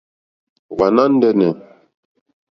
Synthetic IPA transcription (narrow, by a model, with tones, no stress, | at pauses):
va˨na˦n̩˦dɛ˦nɛ˨